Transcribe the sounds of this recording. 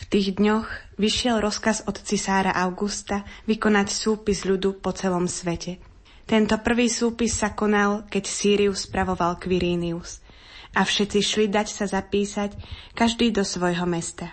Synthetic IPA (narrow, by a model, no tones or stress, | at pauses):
ft̪iːɣd̪ɲɔx | ʋiʃɪɛlɾɔskazɔt̪t͡sisaːɾaʔaʊɡust̪aʋikɔnacsuːpizʎud̪upɔt͡sɛlɔmsʋɛcɛ | t̪ɛnt̪ɔpr̩ʋiːsuːpisːakɔnalkɛcsiːɾiuspɾaʋɔʋalkʋiɾiːnius | ʔafʃɛt͡siʃlid̪acsazapiːsackaʒd̪iːd̪ɔsʋɔjɦɔmɛst̪a